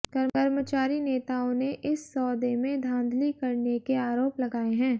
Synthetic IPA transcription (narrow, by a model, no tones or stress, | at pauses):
kɐɾkɐɾmət͡ʃaːɾineːt̪aːõneʔɪsːɔːd̪emẽd̪ʱãːnd̪ʱlikɐɾnekeaːɾoːplɐɡaːeɦɛ̃ː